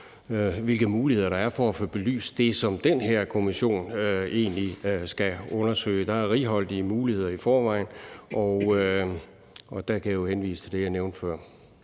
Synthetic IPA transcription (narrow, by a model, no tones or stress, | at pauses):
ʋe̝lɡ̥ð̩ˠmuːlihe̝ð̞̰ˠɐɾ̥ɑ̈æɐfɒæfoːb̥e̝ly̰ːsd̥e̝sɒ̽md̥enɦeɐ̰kʰo̝miɕo̝̰ːnøe̝̰ːnlisɡ̥æɔ̽nɐsø̰ːɪəd̥ɑ̈æɐʁiːɦɒ̽l̰d̥imuːlihe̝ð̞̰ˠɐifɒːʋɑ̈ɪ̰nʔɒʊ | ɒ̽d̥ækʰæjɑjohenʋḭːsə̥t͡sʰe̝d̥e̝jɑ̈ɪneʊnd̥fɶɐ̰